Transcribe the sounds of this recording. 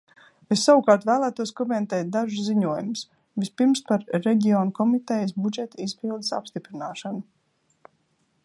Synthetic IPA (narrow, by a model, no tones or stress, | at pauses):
esːawukaːɾt̪væːlˠæːt̪uɔskɔmɛnt̪ɛːt̪̚d̪aʒusziɲuɔjums | vispiɾmspaɾːɛɟʲiɔːnukɔmit̪ɛjəsbud͡ʒɛt̪aizpilˠd̪ɨsa̰pst̪ipɾinaːʃanu